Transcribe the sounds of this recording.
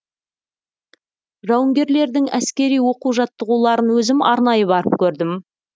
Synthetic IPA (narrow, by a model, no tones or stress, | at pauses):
ʒɑwəŋɡʲe̞ɾle̞ɾd̪ɪŋæ̰skʲe̞ɾijwo̞quwʒɑt̪ːəʁulˠɑɾənwɵzɪmɑ̰ɾnɑjəbɑɾəp̚kʲʰɵɾd̪ɪm